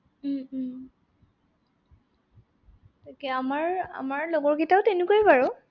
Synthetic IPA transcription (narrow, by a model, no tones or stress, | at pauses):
takɛamaɹa̰maɹlɔɡɔɹkitaʊtenukojibaɹʊ